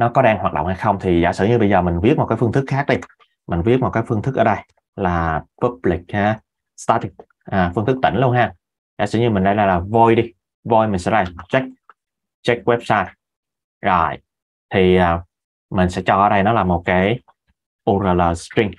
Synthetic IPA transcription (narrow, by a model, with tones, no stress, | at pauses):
nɔ˨˦kɔ˨˦ɗaː˧ŋhwaː˨˩t̚ɗə̰˧˨ŋ͡mha˧jxə˧wŋ͡mt̪ʰi˨˩zaː˧˩sɨ̰˧˩ɲɨ˧ɓə˧jzəː˨˩mï˨˩ŋ̟vi˦˥ət̚m˨˩t̚kːaː˨˦fŋt̪ʰɨ˦˥k̚xaː˦˥k̚ɗi˧ | mï˨˩ŋ̟vi˦˥ət̚mo˨˩t̚kaː˨˦jfɨ˧əŋt̪ɨ˦˥k̚ʔəː˧˩ɗə˧j | laː˨˩pa˦˥p̚li˨˩k̚aː˨˩ | st̪aː˧t̪i˨˩k̚ | ʔːfɨ˧ŋt̪ɨ˦˥k̚t̪ï˧˩ŋ̟lu˧ənhɦaː˧ | zaː˧˩sɨ̰˧˩˦ɲɨ˧mï˨˩ŋ̟ɗə˧jlaː˨˩laː˨˩vo˧jɗi˧ | vo˧jmi̟˨˩sɛ̰˧˥laː˨˩t͡ɕɛ˦˥k̚ | t͡ɕɛ˦˥k̚wɛ˦˥p̚saː˧ | zɔ˨˩j | t̪ʰi˨˩ʔaː˨˩ | mï˨˩ŋ̟sɛ̰˧˥t͡ɕɔ˧ʔəː˧˦ɗə˧jnɔ˨˦laː˨˩mo˨˩t̚kaː˨˦j | ʔo˧zəː˧˩ləː˨˩stɹi˧ŋ